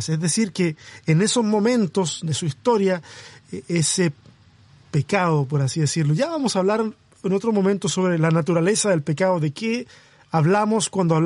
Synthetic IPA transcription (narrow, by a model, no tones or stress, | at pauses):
sezðesiɾkeːnesozmo̞mẽ̞nt̪osd̪esuist̪o̞ɾja | ese | pekaðop̬oɾasiðesiɾloʝaβamosaːβlaɾ | enot̪ɾosmo̞mẽnt̪osːoβɾelanat̪uɾale̞saðe̞lpekaðoðeke | aβlamoskwand̪oaβ